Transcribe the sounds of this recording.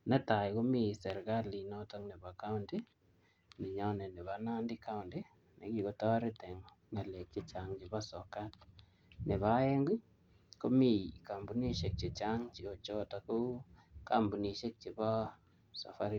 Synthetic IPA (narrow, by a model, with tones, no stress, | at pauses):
nɛ˦ta˨jko˦mi˦˨sɛ˨ɾɡa˦li˨nɔ˦tɔ˦ŋnɪ˨ba˨ka˦ʊ˦ndi˦ | nɪ˨ɲɔ˦nɛ˨nɪ˨βa˨˦na˦ndɪ˦ka˦ʊ˨ndɪ˦ | ne˨ki˨ko˦tɔ˦ɾɪ˦tɛ˨ŋː | a˨le˨k̚t͡ʃe˦t͡ʃa˨ŋt͡ʃɪ˨ba˦sɔ˨ka˦t̚ | nɪ˨βa˨˦ɛ˦ŋɡʊ˦ | ko˦mi˦˨ka˨mbu˨˦ni˦ʃe˨k̚t͡ʃe˨t͡ʃa˦ŋt͡ʃi˨o˨t͡ʃo˦ta˨˦ku˦ka˨mbu˨ni˨ʃe˦k̚t͡ʃe˨bɔ˦ | sa̰˨fa˦ɾi˦